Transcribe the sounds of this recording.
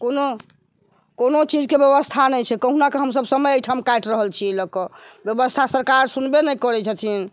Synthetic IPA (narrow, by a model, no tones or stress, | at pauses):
kono | konot͡ʃid͡ʒkebjeβəst̪ʰanɛjt͡ʃʰɛkəɦunakeɦəmsəbsəməjəjʈʰamkajʈɾəɦəlt͡ʃʰiləkɔbjəbəst̪ʰasəɾkaɾsunbenɛkɔɾɛt͡ʃʰɛt̪ʰin